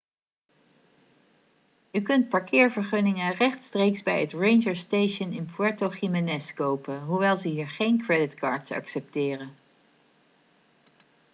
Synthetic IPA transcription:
ykɵnt̚pɑɹkʰɪːɹvəɹχɵnɪŋərɛχtstrejksbɛjətrejnʒəɹstejʃənɪnpwɛɹtoχimɛnɛskowpəɦuʋɛlˠzəɦiːɹχejnkɹɛdɪtkɑːɹtsɑ̰ksɛp̚tɪːrən

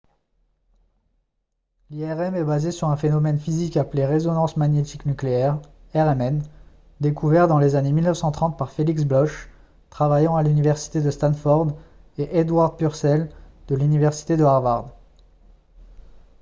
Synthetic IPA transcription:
liɛʁɛmɛbazesyʁɛ̃fenɔmɛnfizikapleʁezɔnɑ̃smaɲjet̪iknykleɛʁ | ɛʁɛmɛn | d̪ekʰuvɛʁd̪ɑ̃lezanemilnəfsɑ̃t̪χɑ̃t̪̚paʁfeliksblɔʃ | t̪χavajɑ̃alynivɛʁsi̥t̪ed̪əst̪anfɔʁd̪eʔed̪waʁd̪̚pyʁsɛld̪əlynivɛʁsi̥t̪ed̪əaʁvaʁd̪

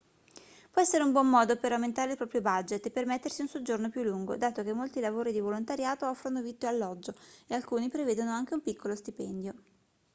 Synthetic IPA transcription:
pwɔɛsːeɾeumbwɔmːɔːd̪opeɾawment̪aːɾeilpɾɔːpɾjobad͡ʒet̪ːepːermet̪ːersiunsod͡ʒornopjulːuŋɡo̰d̪aːt̪ok̟emːolt̪ilavoːɾid̪ivolont̪aɾjaːt̪oɔfːɾonovit̪ːoalːɔd͡ʒːoealkuːnipɾeveːd̪onoaŋk̟eumpikːolost̪ipɛnd̪jo

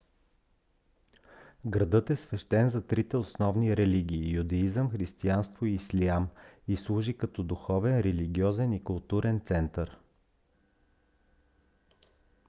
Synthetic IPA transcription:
ɡɾɐd̪ɤt̪ɛsvɛʃt̪ɛnzɐt̪ɾit̪ɛosnɔvniɾɛliɡʲiːjud̪ɛizəmxɾist̪ianst̪vʊiislʲiamislˠuʒikɐt̪ɔd̪ʊxɔvɛnɾɛliɡʲiɔzɛnikʊlˠt̪uɾɛnt̪sɛnt̪əɾ

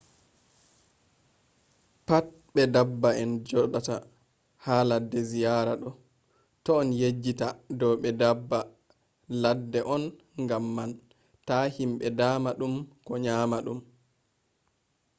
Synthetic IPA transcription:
pat̚ | ɓɛdabːaɛnd͡ʒɔɗata̰ | haladːɛzijaɾaɗɔ | tɔːnjed͡ʒːitadɔɓɛdabːa | ladːɛʔɔn | ŋɡamːan | tahimɓɛdaːmaɗumkɔɲamaɗum

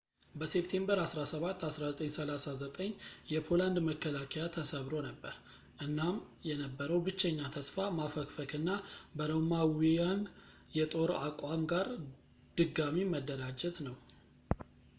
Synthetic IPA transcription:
bəse̞p̚t̪ʰe̞mbəɾasɾasəβat̪ːasɾazət̪ʼəɲsəlasazət̪ʼəɲːjɛpʰo̞land̪məkːəlakʰɛjat̪ʰəsəβɾo̞nəbːəɾ | ʔɨnːamjɛnəbːəɾəwbɨt͡ʃːɛɲːat̪ʰəsfamafəkfəkʰɨnːabəɾəmawijan | jɛt̪ʼo̞ɾakʼwamɡaɾ | d̪̥ɨɡːamiməd̪ːəɾad͡ʒɛt̪nəw

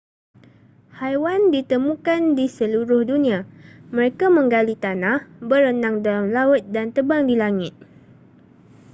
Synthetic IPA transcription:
hajwandit̪əmũkandisəluɾʊhdunĩamə̃ɾekamə̃ŋɡalit̪anahbəɾənãŋdalamlaʊt̪̚dant̪əbaŋdilaŋɪt̪̚

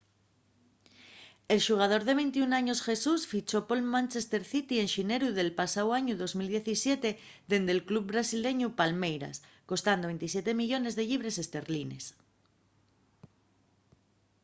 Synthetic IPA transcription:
e̞lʃuɣ̞að̞o̞ɾðe̞β̞ejnt̪iunaɲo̞sxe̞susfit͡ʃo̞po̞lmãnt͡ʃest̪eɾθit̪ienʃine̞ɾuðe̞lpasawaɲuðo̞zmild̪je̞θisjet̪e̞ | ðe̞nd̪elklub̚bɾasile̞ɲupalmejɾa̰sko̞st̪and̪oβe̞nt̪is̬je̞t̪e̞miʎo̞ne̞zðe̞ʎiβ̞ɾe̞se̞st̪e̞ɾline̞̰s

